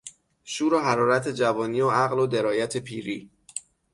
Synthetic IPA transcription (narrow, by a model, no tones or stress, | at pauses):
ʃuːɾoɦæɾɒːɾæt̪ʰe̞d͡ʒævɒːniːoæɣlod̪e̞ɾɒːjæt̪ʰepʰiːɾiː